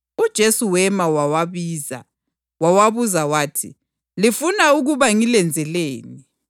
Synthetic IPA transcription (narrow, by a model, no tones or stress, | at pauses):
ud̥ʒ̥ʱesuwɛmawawaβiːza̰ | wawaβuzawaːtʰḭ | lifunauɣuβaŋilɛnd͡zʱɛleːni